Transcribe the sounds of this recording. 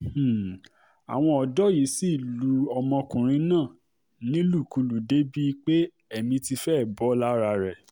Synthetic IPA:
a̰˨w̃ɔ̃˧ɔ˨dɔ˨˦ji˨˦si˦˨lu˨˦ɔ˧mɔ̃˧kũ˨ɾ̃ĩ˧˦nãː˦˨ | nĩ˦lu˦˨ku˧lu˨de˦bi˦k͡pe˦ | ɛ˨mĩ˧ti˧fɛ˦˨bɔ˨˦la˦ɾa˧ɾɛ˨

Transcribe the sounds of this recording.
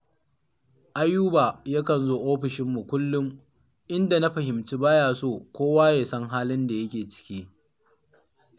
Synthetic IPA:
ʔa˦jːuː˦baː˨ja˦kɐ˨nzoː˦ʔoː˦ɸɪ˨ʃɪ˦mːu˨kʷʊ˦lːʊ˦ŋ | ʔɪ˦nda˨na˦ɸɐ˨ɦɪ˨mt͡ʃiː˦baː˦jaː˨soː˦˨kʷoː˦waː˦jeː˨sɐ˦ŋɦaː˦lɪ˦nda˨jɐ˦kʲeː˨t͡ʃɪ̥˦kʲiː˦

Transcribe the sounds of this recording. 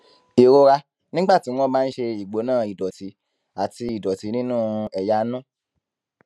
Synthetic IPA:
i˨ɾo˧ɾa˧ | nĩ˦ɡ͡ba˦˨tĩ˨˦ɔ̃˦bãː˦˧n̩˦ʃe˧i˨ɡ͡bo˨˦nãː˦˨i˨dɔ˨ti˨˦ | a˦˨ti˧i˨dɔ˨ti˨˦nĩ˦nũ˦ɛ˧ja˧˦nũ˦

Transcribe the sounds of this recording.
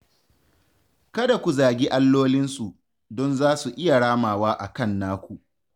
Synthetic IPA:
kɐ˦da˨kʷu˨zaː˨ɡʲiː˦ʔa˦lːoː˦lɪ˦nsu˨ | dɔ˦nzaː˦su˨ʔɪ˦ja˨ɽaː˦maː˨waː˦ʔa˨kɐ˦˨nːaː˦kʷu˨ʔ

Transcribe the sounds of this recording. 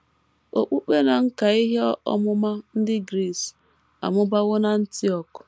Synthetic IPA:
o˨k͡pu˦k͡pe˦na˨ŋ̩˦ka˨i˦ɦe˦ɔ˦ɔ̰˦mʊ˦ma˦n̩˦dɪ˦ɡɾi˦˨s | a̰˨mʊ˦ba˦ɣʊ˦na˨˦n̩˦ti˦ɔ˨k

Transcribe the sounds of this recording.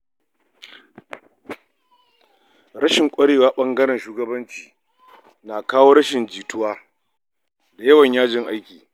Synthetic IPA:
ɽɐ˦ʃɪ˨ŋkʷʼɐ˦ɽeː˨waː˦ɓɐ˦ŋɡɐ˦ɽɛ˨nʃuː˦ɡɐ˦bɐ˦nt͡ʃi̥ː˨ | naː˨kaː˦woː˦ɾɐ˦ʃɪ˨nd͡ʒiː˨tʊ˦waː˦ | da˨jɐ˦wɐ˨ɲjaː˦d͡ʒɪ˨ŋʔa˦jkʲiː˨

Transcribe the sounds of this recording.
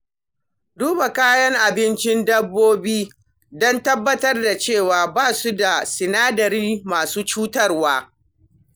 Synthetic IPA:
duː˦ba˨kaː˦jɐ˦ŋʔa˨bɪ˦nt͡ʃɪ˦ndɐ˦bːoː˦biː˦ | dɔ˦ntɐ˦bːɐ˦tɐ˦rda˨t͡ʃeː˦˨waː˨baː˦˨su˦da˨sɪ˨naː˦dɐ˨ɾiː˦maː˨suː˦t͡ʃuː˦tɐ˦rwaː˦

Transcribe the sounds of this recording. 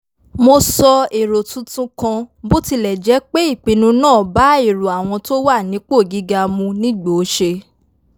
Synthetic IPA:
mo˧sɔ˧e˨ɾo˨tũ˨˧tũ˧kã˧bo˦ti˧lɛ˨d͡ʒɛ˨˦k͡pe˦i˦˨k͡pĩ˨˧nũ˧nãː˦˨ba˨˦i˦˨ɾu˨a˨w̃ɔ̃˧to˦wa˦˨nĩ˨˦k͡po˦˨ɡi˨˦ɡa˧mũ˧nĩ˦ɡ͡bo˨˦ʃe˧

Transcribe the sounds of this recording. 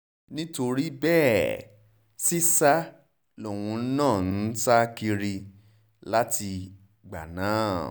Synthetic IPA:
nĩ˦to˧ɾi˦bɛː˦˨ | si˦sa˦ | lo˨w̃ũ˧n̩˦nãː˦˨n̩˦ta˦ki˧ɾi˧ | la˦ti˧ | ɡ͡ba̰˨nãː˨˦

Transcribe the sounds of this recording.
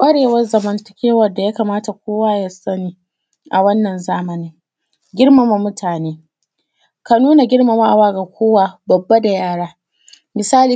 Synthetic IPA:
ʔʷʼɐ˦ɽeː˨wɐ˦rzɐ˨mɐ˨ntɐ̥˦kʲeː˦wɐ˦˨da˨jaː˦kaː˨maː˦ta˨kʷoː˦waː˦ja˦sɐ˦niː˦ | ʔa˨wɐ˦nːɐ˨nzaː˦mɐ˨nɪ˦ŋ | ɡʲɪ˦rma˨ma˨mʊ˦tʰaː˨neː˦ | ka˨nuː˦na˨ɡʲɪ˦ɽma˨ma˦ʔa˨waː˦ɡa˨kʷoː˦wa˨bɐ˨bːa˦da˨jaː˦ɽaː˦ | mɪ˨saː˦liː˨

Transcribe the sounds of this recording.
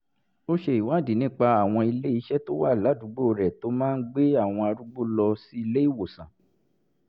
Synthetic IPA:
o˦ʃe˧i˨wa˦˨di˨nĩ˦k͡pa˧a˦˨w̃ɔ̃˧i˧le˦i˨˧˦ʃɛ˦to˦wa˦˨la˨˦du˨˦ɡ͡bo˦˨ɾɛ˨to˨˦mãː˦n̩˦ɡ͡be˦a˦˨w̃ɔ̃˧a˧ɾu˦ɡ͡bo˦lɔ˧si˦i˧le˦i˦˨wo˨sã˨

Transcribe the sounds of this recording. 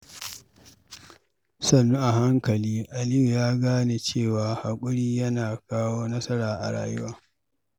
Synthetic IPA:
sɐ˦˨nːu˦ʔa˨ɦa˦ŋkɐ˨liː˦ʔa˨lɪ˦ju˨jaː˦ɡaː˦ne˨t͡ʃeː˦˨waː˨ha˨kʷʼʊ˦ɽiː˦jɐ˦naː˨kaː˦woː˦nɐ˦sɐ˦ɽaː˨ʔa̰˨ɽa̰ː˨jʊ˦waː˦

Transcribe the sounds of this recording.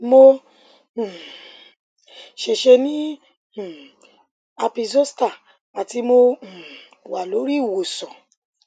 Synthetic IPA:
mõ˧˨ | ʃe˨ʃe˧nĩ˦˨ | a˧pi˧zo˦sta˦˨ | a˨ti˧mõ˧˨ | wa˨lo˨˦ɾi˦˨wo˨sɔ̃˨

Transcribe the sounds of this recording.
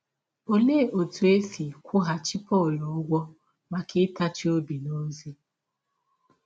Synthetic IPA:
o˨le˦˨ʔo˨tu˨e˦si˨kʷʊ˦ɦa˨t͡ʃi˦pɔ˦˨lɔ˨ʊ˦ɡʷɔ˦ | ma˨kʰɪ˦ta˦t͡ʃi˦o˦bi˨no˦zi˦

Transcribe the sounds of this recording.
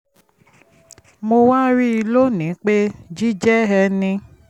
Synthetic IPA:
mo˧wã˦ɾi˦i˧lo˦nĩ˨˦k͡pe˦d͡ʒi˦d͡ʒɛ˦ɦɛ˧nĩ˧

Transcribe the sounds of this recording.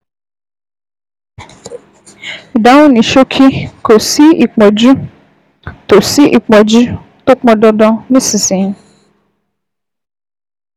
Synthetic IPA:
i˨da˨˦wũ˦nĩ˨ʃo˦kʰi˦ko˨si˦i˨k͡pɔ˨d͡ʒu˦ | to˨si˦ʔi˨k͡pɔ˨d͡ʒu˦ | to˦k͡pɔ̃˧dɔ˧dɔ˧nĩ˦si˨sĩ˨˦

